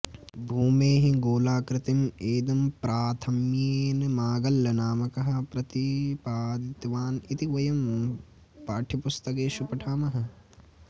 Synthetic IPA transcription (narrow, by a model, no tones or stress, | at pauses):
bʱuːmeːɦiɡoːlaːkɾɪt̪imeːd̪ɐmpɾʔaːt̪ʰɐmjeːnɐmaːɡɐlːɐnaːmɐkɐɦɐ̆pɾɐt̪ipaːd̪it̪ʋaːnit̪iʋɐjɐm | paːʈʰipust̪ɐkeːʃupɐʈʰaːmɐɦɐ̆